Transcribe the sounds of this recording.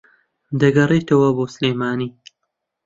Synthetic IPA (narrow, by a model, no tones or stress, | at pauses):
d̪ɐɡɐriːt̪ɐwɐboːsleːmaːniː